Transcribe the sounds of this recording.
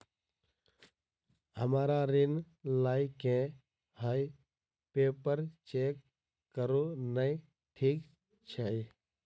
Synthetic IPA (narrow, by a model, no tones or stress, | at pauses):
ɦəmaːɾaːɾɪn | laːɪkẽː | haːi | peːpəɾt͡ʃeːkː | əɾoːnəĩ | ʈʰiːk | t͡ʃʰəe